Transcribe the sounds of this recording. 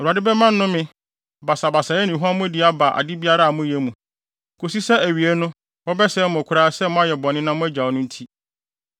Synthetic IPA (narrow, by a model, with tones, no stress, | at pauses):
ɛ˨ɾu˨a˨dɪ˦bɛ˦mã˦nː˦nʊ̃˦mɪ̃˦ | ba˨sa˨ba˨sa˨jɛ˦nĩ˨ɦu˦a˦mʊ̃˦dɪ˦a˦ba˨ʔa̰˨dɪ˦bi˦a˦ɾa˦˨mʊ̃˦jɛ˦mũ˨ | kʰo˨si˦sɛ˦æ˨ɥi˨e˦nʊ̃˦ | wɔ˦bɛ˦sɛ˦mʊ̃˨kʷʰʊ˦ɾaː˦sɛ˦mʊ̃˦a˦jɛ˨bɔ˨nɪ̃˦nã˦mʊ̃˦æ˦d͡ʑa˨wnʊ̃˦n˦tʰi˦